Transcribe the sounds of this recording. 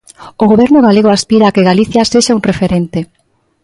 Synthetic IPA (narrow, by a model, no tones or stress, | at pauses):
oɣoβɛɾnʊɣaleɣoaspiɾaːkeɣaliθjaseʃaunrefeɾent̪e